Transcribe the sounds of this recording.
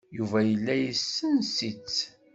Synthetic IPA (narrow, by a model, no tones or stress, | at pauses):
juvæjəlːæjəsːənsit͡sː